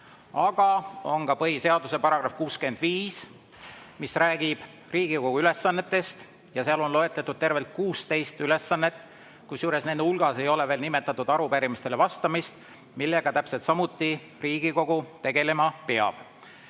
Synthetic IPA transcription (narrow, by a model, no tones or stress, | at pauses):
ɑɡ̥ɑo̞ŋɡɑpɤɦise̞ɑd̪use̞pɑɾɑɡ̥rɑfkuːske̞nd̪̥viːs | misræːɡ̥ib̥ | riːɡ̥iko̞ɡ̥uyle̞sːɑnːe̞t̪ːˑe̞st̪ | jɑseɑlo̞nlo̞e̞t̪ːˑɑt̪ːud̪̥̚t̪e̞rve̞lt̪̚kuːst̪e̞jst̪yle̞sːɑnːet̪ːˑ | kusjuːɾe̞sne̞nd̪eulɡ̥ɑse̞jo̞le̞ve̞ːlnime̞t̪ːˑɑt̪ːˑud̪̥ɑɾupæɾimist̪e̞le̞vɑst̪ɑmist̪ | milːe̞ɡ̥ɑt̪æpset̪sɑmut̪ːˑi | riːɡ̥iko̞ɡ̥ut̪e̞ɡ̥e̞le̞mɑpeɑ̰b̥